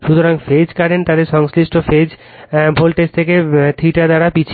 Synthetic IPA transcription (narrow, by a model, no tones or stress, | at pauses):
ʃut̪oɾaŋfed͡ʑkaɾent̪ad̪eɾʃɔŋsliʃʈofed͡ʑ | bʱolʈest̪ʰeket̪ʰiʈaɾd̪aɾapit͡ɕʰ